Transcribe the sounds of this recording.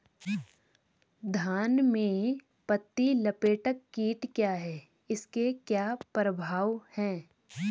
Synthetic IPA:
d̪ʱaːnmẽ | pət̪ːilɐpeːʈəkːiːʈkjaːɦɛː | ɪskekjaːpɾəbʱaːʋhɛ̃ː

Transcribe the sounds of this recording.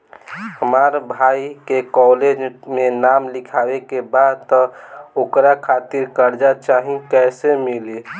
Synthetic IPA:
həmaɾbʱaikekɔled͡ʒmenamlikʰabekebad̪̚t̪ɔokɾakʰat̪iɾkəɾd͡ʒat͡ʃaɦĩkɛɪsemile

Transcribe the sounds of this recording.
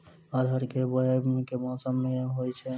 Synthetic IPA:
ɔːɾɦəɾkebəemẽkemɔːsəmːeɦoːjt͡ʃʰɛ

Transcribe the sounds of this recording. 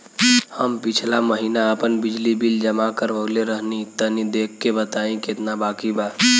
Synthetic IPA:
həmpit͡ʃʰlaməɦinaəpənbid͡ʒlibild͡ʒəmakəɾbəɡleɾəɦnit̪ənid̪ekʰːebət̪aĩket̪nabakiba

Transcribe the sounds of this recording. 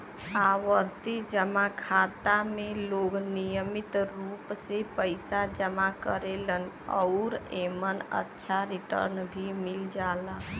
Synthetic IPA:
aːwəɾt̪id͡ʒəmakʰaːt̪amẽloːɡnijəmɪt̪ɾuːpsepəɪsad͡ʒəmakəɾelən | ɔʊɾeːmənə̰tːʃʰaɾiʈə̰ɾnbʱimɪld͡ʒaːla

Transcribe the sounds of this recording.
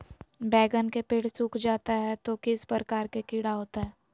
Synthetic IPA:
bɛːɡənkepeːɽsuːkʰd͡ʒaːt̪aɦɛt̪okɪspɾəɾəkaːɾkekiːɽaɦoːt̪aɦɛː

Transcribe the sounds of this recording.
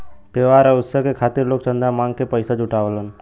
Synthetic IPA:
t̪eːʋaːɾəʊssəkekʰaːt̪ɪɾloːk̚t͡ʃə̃nd̪amãːŋɡkepəɪsad͡ʒʱʊʈaːʋələn

